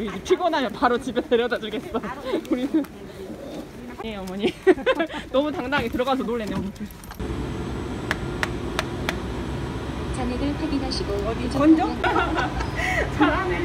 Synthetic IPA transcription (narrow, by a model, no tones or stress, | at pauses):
ɾid͡ʑepʰiɡʌnɦamjʌnpaɾot͡ɕibetʰeɾjʌdad͡ʑɯɭɡess͈auɾinɯ | jeʌmʌɲi | nʌmutaŋdaŋitɯɾʌɡasʰʌnoɭːenːɯnotʰ | t͡ɕaɲeɡɯɭpʰeɡinaɕʰiɡoʌbit͡ɕʌd͡ʑo | t͡ɕaɾa